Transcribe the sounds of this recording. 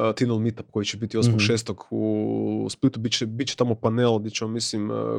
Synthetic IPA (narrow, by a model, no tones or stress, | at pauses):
t̪inelˠmit̪ap̚ko̞jit͡ʃebit̪iosmokʃeːst̪okusplit̪ubit͡ʃebit̪t͡ʃe̥t̪amopanelˠad̪ʲet͡ɕeomːislim̰